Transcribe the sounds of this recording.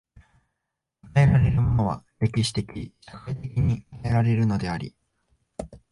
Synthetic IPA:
k̪ae̞ɾaɾe̞ɾɯ̟mo̞no̞β̞a̰ɾe̞kʲiɕi̥t̪e̞kʲiɕḁkait̪e̞kʲiɲ̟ikaeɾaɾe̞ɾɯ̟no̞d̪e̞aɾʲḭ

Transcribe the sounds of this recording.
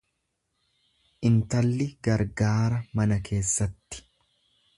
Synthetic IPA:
ʔɪnt̪ɐlːɪɡɐɾɡaːɾɐmɐnɐkʰe̞ːsːɐt̪ːɪ̥

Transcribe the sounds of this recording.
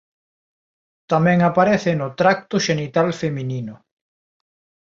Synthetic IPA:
t̪amɛ̃ŋapaɾeθɪnʊt̪ɾak̚t̪ʊʃenit̪alfemininʊ

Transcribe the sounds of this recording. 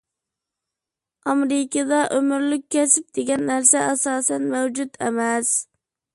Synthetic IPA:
ɑmɾɪkʲəd̪ɑʔømyɾlykʲʰːɛsɪp̚d̪̥eɡʲɛnːæɾsɛʔɑsɑːsɛnmæwd͡ʒut̪ɛmɛs

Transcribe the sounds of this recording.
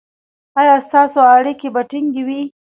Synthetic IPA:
ɑjɑst̪ɑsoaɽikebaʈiŋɡiwi

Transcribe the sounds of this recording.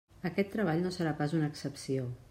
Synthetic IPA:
əkɛt̪ːɾəβ̞aʎnosəɾapazunəːksəpsio

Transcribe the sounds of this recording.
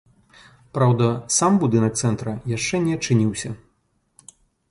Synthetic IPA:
pɾawd̪ɐsambud̪ɨnɐk̚t̪sɛnt̪ɾɐjaʂt͡ʂɛnʲɛɐt͡ʂɨnʲiwsʲɐ

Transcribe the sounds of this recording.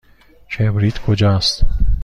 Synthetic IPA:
t͡ʃʰebɾit̪kʰod͡ʒɑːst̪

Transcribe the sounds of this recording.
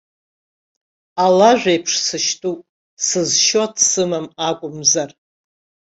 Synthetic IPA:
alaʒᶣʷejpʰʂsɨʃtʰʼupʼ | sɨzʃoadʰsɨmamakʷʼʊmzar

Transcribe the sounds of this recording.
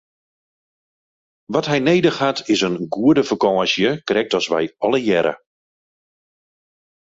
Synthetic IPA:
ʋɔtɦɛjnejdəxhatʰɪsənɡuədəfəkɔːsjəkrɛk̚tɔsʋɛ̰jɔləjɛɾə̰

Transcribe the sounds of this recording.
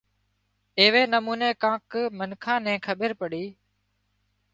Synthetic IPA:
eːʋeːnəmuːneːkãːkmənkʰãːnɛ̃ːkʰəɓəɾpəɽiː

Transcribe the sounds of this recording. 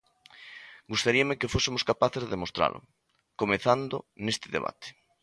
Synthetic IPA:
ɡust̪aɾiamekefosɪmoskapaθezðemost̪ɾa̰lʔʊ̰ | komeθand̪ʊ̰nest̪ɪðḛβ̞a̰t̪e̥

